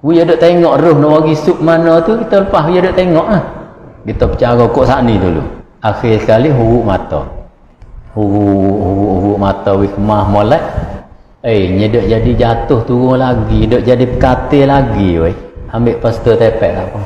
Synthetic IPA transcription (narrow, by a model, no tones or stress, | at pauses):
wiadoʔt̪eŋɔʔɾʊhnɔʔwaɡisuʔ̚manɔt̪ukit̪ɔləpaɦujadoʔt̪eŋɔʔlahkit̪ɔpə̥t͡ʃaɡɔkoʔsaʔnit̪ulṵ | axirskaliɦuɡuʔmat̪ɔ̰ | huɡuhuɣuʔhuɡuʔmat̪ɔwikəmahmolɛʔ | əjɲədəʔd͡ʒadid͡ʒat̪ʊht̪uɣʊŋlaɡidəʔd͡ʒadipəkat̪ɪlaɡiwəiambeʔpəst̪ət̪epɛʔka̰ʔpɔ